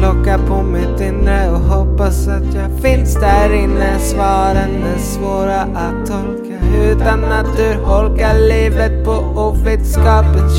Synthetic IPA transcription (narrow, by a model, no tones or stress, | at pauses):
lɔkːapʰɔmɪt̪ɪnːɾəɔɦɔpːasat̪jɑːɡfɪnsd̪æɾɪnːəsvɑːɾənɛsvoːɾaʔat̪ʰːɔlkaʉ̟ːt̪anat̪̚d̪ɵhɔlkaɭiːvət̪̚pʰɔ | uːvɾeːd̪skɑːpət̪